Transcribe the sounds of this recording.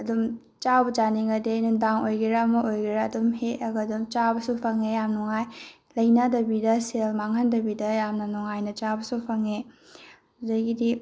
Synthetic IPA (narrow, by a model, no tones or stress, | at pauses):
ɐdum | t͡ʃawbɐt͡ʃaniŋɐdenundaŋojɡiɾamɐʔojɡiɾaːdumɦeɐɡɐdumt͡ʃabɐsupʰɐŋejamnuŋaj | lɐjnadɐbidɐselmaŋhɐndɐbidɐjamnɐnuŋajnɐt͡ʃabɐsupʰɐŋe | dɐjɡidi